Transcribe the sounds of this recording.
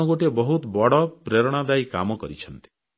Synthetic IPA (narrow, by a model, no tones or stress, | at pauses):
ɔɡoʈebɔɦut̪bɔɽɔpɾeɾɔɽ̃ad̪ajka̰mɔkɔ̰ɾit͡ʃʰɔnt̪i̥